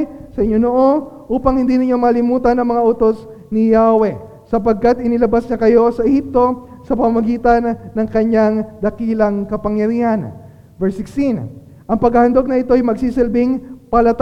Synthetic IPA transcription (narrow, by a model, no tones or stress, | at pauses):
sɐʔɪɲo̞noʔo̞nʔuːpɐŋhɪnd̪inɪɲo̞mɐlɪmuːt̪ɐnɐŋmɐŋaʔot̪o̞s | nɪjawɛ | sɐpɐɡ̚kat̪̚ʔɪnɪlɐbasɲɐkɐjo̞sɐʔɛhip̚t̪o̞ | sɐpɐmamɐɡiːt̪ɐnːɐŋkɐɲaŋd̪ɐkiːlɐŋkɐpɐŋjɐɾiːhɐn | vɛɹsɪkst̪in | ʔɐŋpɐɡhɐhɐnd̪o̞ɡ̚nɐɪt̪o̞ɐjmɐɡsisɛlbɪŋpɐlɐt̪